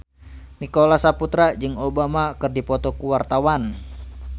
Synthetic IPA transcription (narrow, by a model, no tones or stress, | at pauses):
nikolasaput̪ɾad͡ʒɨŋobamakɨrdipɔt̪ɔkuwart̪awan